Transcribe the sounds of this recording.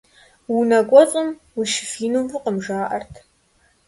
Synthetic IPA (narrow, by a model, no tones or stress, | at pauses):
wunɐkʷʼɔt͡sʼʊm | wiʃɪ̥fiːnumfɨqəmʒaːʔɐrtʰ